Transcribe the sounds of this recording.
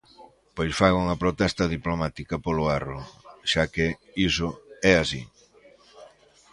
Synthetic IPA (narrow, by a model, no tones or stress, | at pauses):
pojsfaɣuŋɐpɾot̪ɛst̪ɐðiplomat̪ikɐpolʊaro̰ʃakɪ | isʊɛasḭ